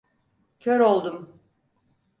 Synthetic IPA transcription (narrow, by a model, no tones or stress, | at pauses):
cʰøɾo̞lˠd̪um